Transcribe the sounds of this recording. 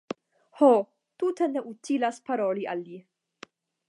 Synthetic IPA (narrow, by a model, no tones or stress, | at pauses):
hɔ | t̪uːt̪ɛnːɛʔut̪ʰːiːlɐspɐɾɔːliʔɐlːiː